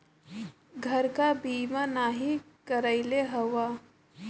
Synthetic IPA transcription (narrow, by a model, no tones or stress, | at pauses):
ɡʱɐɾkabiːmanaːɦi | kəɾəɪleɦɐʋaː